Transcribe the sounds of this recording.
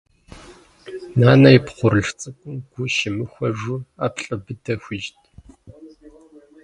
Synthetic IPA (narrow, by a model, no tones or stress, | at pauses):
naːnɐjipχʷʊɾɨɮt͡sʼɨkʷʼʊmɡ̥ʷʊʃɪmɨxʷɐʒʊaːpɬʼɐbɨdɐxʷiʒtʰʼ